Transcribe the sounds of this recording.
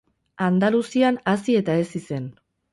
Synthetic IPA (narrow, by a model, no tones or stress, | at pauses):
and̪alusianasie̞t̪ae̞sise̞n